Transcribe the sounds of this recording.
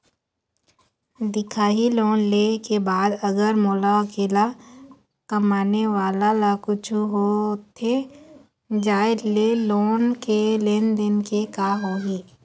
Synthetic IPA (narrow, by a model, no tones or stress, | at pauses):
d̪ɪkʰaːɦiloːnlekebaːd̪əɡəɾmoːlaəkeːla | kəmaːneʋaːlalakʊt͡ʃʰuɦot̪ʰe | d͡ʒaːɪleloːnkeleːnd̪ɪnkekaɦoːɦiː